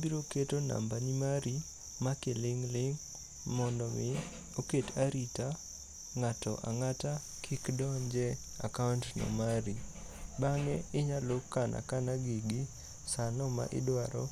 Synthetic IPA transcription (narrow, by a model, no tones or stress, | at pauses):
biɾoketona̰mbanimaɾi | makelɪŋlɪŋ | mɔndɔmɪ | oketaɾita | ŋatɔ̰ʔa̰ŋata | kʰɪkdɔɲd͡ʒɛ | a̰kaʊntnɔ̰maɾi | baŋɛɪɲalokːanʔa̰kanaɡiɡi | sanɔma̰ʔɪ̰dwaɾɔ̰